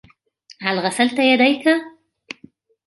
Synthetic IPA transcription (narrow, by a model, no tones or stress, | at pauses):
halɣasalt̪ajad̪ajkʰa